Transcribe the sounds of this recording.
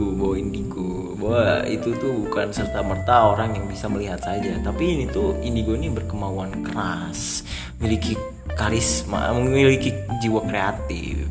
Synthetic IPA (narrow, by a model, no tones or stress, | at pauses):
ubawaindiɡo | bawaḭt̪ut̪ubukansərt̪amərt̪aoɾaŋjaŋbisaməliɦat̪sad͡ʒat̪apiːnit̪uindiɡoiniabərkəmauankəɾa | s | miliki | kaɾɪsma̰məilikid͡ʒiwakɾeat̪ɪ̰f